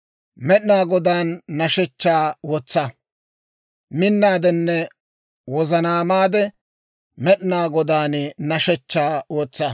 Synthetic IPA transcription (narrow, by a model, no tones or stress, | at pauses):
mɛɗɪnaːɡɔd̪aːnːɐʃɛt͡ʃːaːwɔt͡sːɐ | mɪnːaːd̪ɛnːɛ | wɔzɐnaːmaːd̪ɛ | mɛɗnaːɡɔd̪aːnnɐʃɛt͡ʃːaːwɔt͡sːɐ